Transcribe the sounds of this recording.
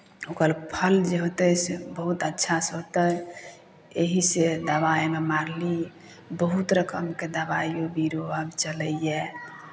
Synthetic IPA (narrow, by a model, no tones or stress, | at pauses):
okəlpʰəld͡ʒeɦot̪əjsebəɦut̪ətːʃʰasɦot̪ə | eɦised̪əbaememaɾli | bəɦut̪ɾəkəmked̪əbajjobiɾoəbt͡ʃələje